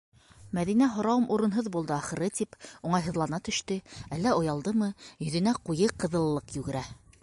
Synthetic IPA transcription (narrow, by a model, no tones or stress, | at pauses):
mæðin̪æɦŏɾɑwɤmʔuɾɤ̆nɦoðbulˠd̪ɤɑχɤ̆ɾɤt̪ipuɴɑjɦɤ̆ðlˠɑnɑt̪ɵ̆ʃt̪ɘælːæŏjɑlˠd̪ɤmɤjɵ̆ðɘ̆næqujɤqɤ̆ðɤ̆lˠːɤqjʉɡɘ̆ɾæ